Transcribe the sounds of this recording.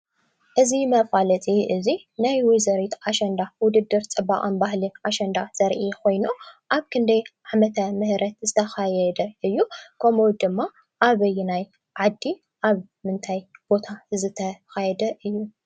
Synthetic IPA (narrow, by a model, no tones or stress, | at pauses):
ʔɨzimɐfalɐt͡sʼiʔɨzi | najwɔzɐɾit̪ʰʔaʃɐnd̪awʊd̪ɨd̪ːɨɾt͡sʼɨba̰χʼɐnbahlinʔaʃɐnd̪az̥ɐɾʔikʰo̞jnuʔaβkʰɨnd̪ɐjʕamɐt̪ʰɐmɨhɾɐt̪zɨt̪ʰɐxajɛd̪ɐʔɨjːukʰɐmod̪ɨmːa | ʔaβɐjːunaj | ʕad̪ːi | ʔaβ | mɨnt̪ʰajb̥o̞t̪ʰazɨt̪ʰɐxajɛd̪ɐʔɨjːu